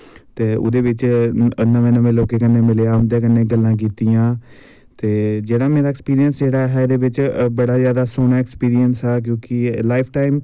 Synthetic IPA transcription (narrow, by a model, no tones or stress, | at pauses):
t̪eːʊ̰d̪eːʋɪt͡ʃnəʋẽːnəʋẽːloːkeːkənːeːmɪleːaːʊmd̪eːkənːẽːɡəlːãːk̬iːt̪ijãː | t̪eːd͡ʒeːɽaːmẽːɾaːkspiːɾijənsd͡ʒeːɽaːɦɛːd̪eːʋɪt͡ʃbəɽaːzjaːd̪aːsoːñaːɪkspiːɾiənsɦɛːk̬jõːkɪlaːɪpʰʈaːɪm